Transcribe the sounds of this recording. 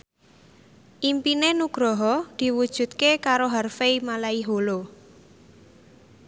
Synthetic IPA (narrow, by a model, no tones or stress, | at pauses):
ʔimpinenuɡ̥ɾɔɦɔd̪̥i̤wud̥ʒ̥ṳt̪̚kekaɾoɦarfeimalaiɦolo